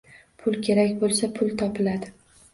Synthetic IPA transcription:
pʰʊlkʲʰe̞ɾakʲbolˠsapʰʊlˠt̪ʰɒpʰɪlad̪ɪ

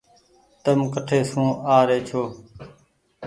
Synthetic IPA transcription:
t̪əmkəʈʰeːsũːaːɾeːt͡ʃʰoː

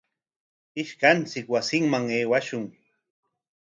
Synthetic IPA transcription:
ɪʃkant͡sɪkwasɪŋmaŋeːwaʃʊŋ

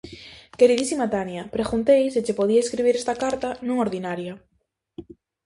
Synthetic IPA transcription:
keɾiðisimat̪anjapɾeɣunt̪ejsɪt͡ʃɪpoðiaeskɾiβ̞iɾest̪akaɾt̪anũŋoɾðinaɾja

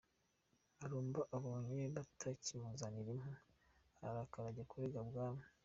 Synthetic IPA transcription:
aɾuːmbaʔaβoːɲeβatʰacimuzaniɾimu | aɾakaɾaɟekʰuɾeɡabɡaːmu

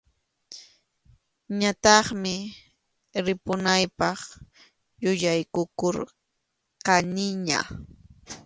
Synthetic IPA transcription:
ɲat̪ɑχmɪ | ɾɪpʊnajpɑχ | jʊʎajkʊkoɾ | qɑnɪɲa̰

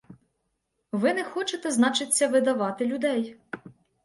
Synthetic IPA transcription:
ʋɪnɛxɔt͡ʃet̪ɛznɑt͡ʃɪt͡sʲːɐʋɪd̪ɐʋɑt̪ɪlʲʊd̪ɛj

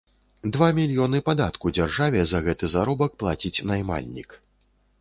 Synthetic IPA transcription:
d̪vamʲilʲjɔnɨpad̪at̪kud͡zʲarʐavʲɛzɐɣɛt̪ɨzaɾɔbɐk̚plˠat͡sʲit͡sʲnajma̰lʲnʲḭk

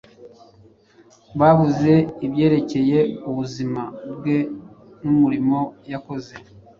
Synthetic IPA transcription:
βaβuze̞iβje̞ːɾe̞ce̞je̞uβuzimabɡe̞ | numuɾimo̞jako̞ze̞

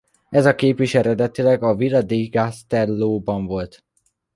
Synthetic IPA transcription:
ɛzɒkeːpiʃɛɾɛd̪ɛt̪ilɛɡɒvilɒd̪iɡast̪ɛlːoːbɒɱvo̞lt̪

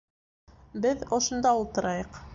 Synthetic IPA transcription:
bɘðŏʃŏnd̪ɑulˠt̪ɤ̆ɾɑjɤq

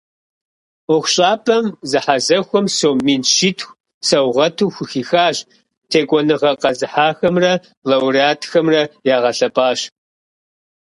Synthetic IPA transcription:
ʊxʷɕʼaːpʰʼɐmzɨħazɐxʷɔmsoːmiːnʃitʰxʷ | sɐwʁɐtʰuːxʷʊxiːxaːɕ | tʰeːkʷʼɔnɨʁɐqɐzɨħaːxɐmrɐ | lɐwriaːtʰxɐmrɐjaːʁɐɬɐpʼaːɕ

